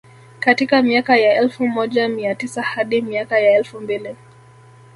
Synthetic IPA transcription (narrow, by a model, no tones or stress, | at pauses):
katikamiakajaɛlfumɔʄamiatisahaɗimiakajaɛlfumbili